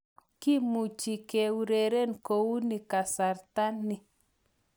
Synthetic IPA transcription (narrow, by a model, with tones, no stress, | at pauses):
ki˦mu˨t͡ʃi˨ke˨wu˨ɾe˨ɾe˦nko˨wu˦ni˨ka˨sa˨ɾt̪a˦nːi˨